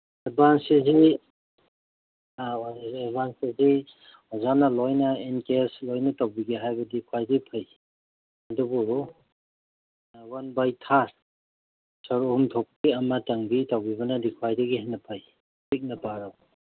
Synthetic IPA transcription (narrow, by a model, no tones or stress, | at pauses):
ɐɾbansezi | aeɾbansezi | ɔzanɐlojnɐenkeslojnɐtawbiɡeɦajbɐdikʰwajdipʰaj | ɐdubu | wanbajtʰaɾ | sɔɾumtʰɔp̚kiɐmɐtaŋbitawbibɐnɐdikʰwajdɐɡihanːɐpʰaj | pik̚nɐpaɾaw